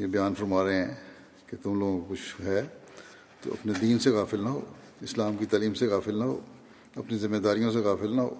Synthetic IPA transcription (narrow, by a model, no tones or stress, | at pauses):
jebɪjaːnfɐɾmaːɾeɦɛ̃ː | ket̪ʊmloːɡõkkʊt͡ʃʰɦɛː | t̪o̰ɐ̰pned̪iːnseɣaːfɪlnɐɦo̰ː | ɪslaːmkit̪aːliːmseɣaːfɪlnɐɦo̰ː | ɐpnizɪmːed̪aːɾijõs̬eɣaːfɪlnɐɦo̰ː